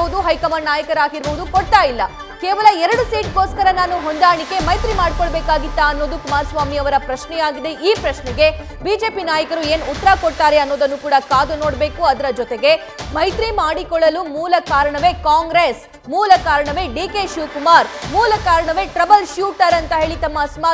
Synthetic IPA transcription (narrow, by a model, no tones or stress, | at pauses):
ud̪uɦɐjkɐmaːɾnaːjɐkɐɾaːɡiɾboʋud̪ukoɽt̪aːjilːɐ | keːʋɐlɐɛɾɐɽusiːʈɡo̞ːskɐɾɐnaːnuɦond̪aːɳike̞mɐjt̪ɾimaːɽkoɭbeːkaːɡit̪ːaɐnːo̞ːd̪ukumaːɾsʋaːmiɐʋɐɾɐpɾɐʃnɛjaːɡid̪e̞ʔiːpɾɐʃnɛɡe̞ | biːd͡ʒe̞ːpinaːjɐkɐɾue̞ːnut̪ːɐɾakoɽt̪aːɾe̞ɐnːo̞ːd̪ɐnːukuːɽɐkaːd̪uno̞ːɽbe̞ːkuɐd̪ɐɾɐd͡ʒɔt̪eɡe | mɐjt̪ɾimaːɽikɔɭːɐlumuːlɐkaːɾɐɳɐʋe̞kaːŋɡɾes | muːlɐkaːɾɐɳɐʋe̞ɖiːke̞ʃuːkumaːɾmuːlɐkaːɾɐɳɐʋe̞ʈɾɐbɐlʃjuːʈɐɾɐnt̪ɐɦe̞ːɭit̪ɐmːɐsma